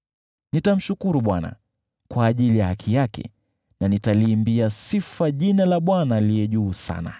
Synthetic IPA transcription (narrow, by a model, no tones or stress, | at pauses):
nitam̩ʃukuɾuɓwana̰ | kwaːʄilijahakʰijakɛ̰ | nanitaliːmbiasifaʄinalaɓwanalijɛʄuːsa̰na̰